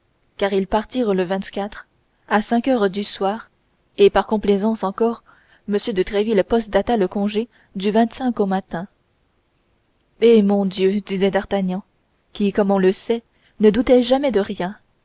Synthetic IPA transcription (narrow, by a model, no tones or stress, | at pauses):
kaʁilpaʁt̪iːʁləvɛ̃t̪kʲat̪χ | asɛ̃kœʁd̪yswaːʁ | epaʁkɔ̃plezɑ̃sɑ̃kɔʁ | məsjød̪ət̪χɛvilpɔst̪̚d̪at̪aləkɔ̃ʒe | d̪yvɛ̃t̪sɛ̃komat̪ɛ̃ | emɔ̃d̪jød̪izɛd̪aʁt̪aɲɑ̃ | kʲikɔmɔ̃ləsɛ | nəd̪ut̪ɛʒamɛd̪əʁjɛ̃